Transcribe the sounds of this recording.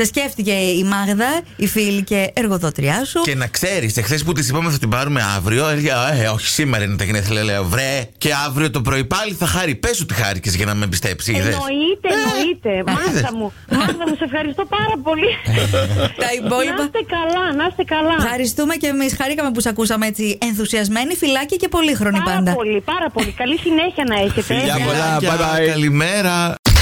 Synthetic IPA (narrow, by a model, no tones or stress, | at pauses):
sesceft̪ice̞imɐɣðɐifilice̞ːɾɣoðot̪ɾiɐsucenɐkse̞ɾisexθesput̪isipɐmeθɐt̪ibɐɾume̞ɐvɾio̞eleoçi̥simeɾɐinet̪ɐɣnesθileleovɾeceɐvɾio̞t̪o̞p̬ɾo̞ipɐliθɐxɐɾipesot̪ixɐ̰ɾicezʝɐnɐmebist̪epsiðesit̪eit̪emɐɐmu | mɐθɐmmusɐsefxɐɾist̪opɐɾɐpo̞li | t̪ɐipo̞lipɐst̪ekɐlɐnɐst̪ekɐlɐfxɐɾist̪ume̞ce̞misxɐɾikɐmep̬usɐkusɐmeet͡sienθusiɐzme̞nifilɐciɐce̞po̞lixɾo̞nipɐnd̪ɐolipɐɾɐpo̞likɐlisineçiɐnɐeçet̪eɐoɐɐkɐlimeɾɐ